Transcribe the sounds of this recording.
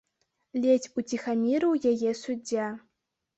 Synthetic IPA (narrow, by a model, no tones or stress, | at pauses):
lʲet͡sʲut͡sʲixamʲiɾɨwjajɛsud͡zʲːa